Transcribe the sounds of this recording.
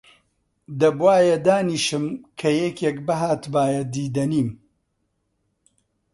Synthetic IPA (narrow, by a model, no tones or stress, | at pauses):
d̪ɐbwaːjɐd̪aːniːʃɨmkʰɐjɛkʰeːkbɐɦaːt̪baːjɐd̪iːd̪ɐniːm